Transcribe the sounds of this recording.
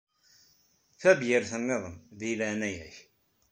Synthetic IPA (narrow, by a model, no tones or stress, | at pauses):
θæbjɪɾθənːeðˤəmðilænæjæç